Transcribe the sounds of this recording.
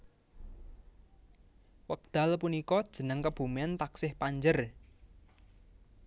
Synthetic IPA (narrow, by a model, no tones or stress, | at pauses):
wək̚d̪̥a̤lpunikɔd̥ʒ̥ə̤nəŋkəb̥ṳmnt̪aksɪhpaɲd͡ʒər